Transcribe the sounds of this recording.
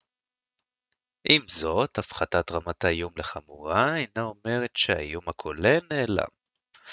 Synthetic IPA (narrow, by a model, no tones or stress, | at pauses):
ʔimzo̞tafχatatʁamatajumleχamuʁaanao̞me̞ʁetʃea̰jumakʰoleneːla̰m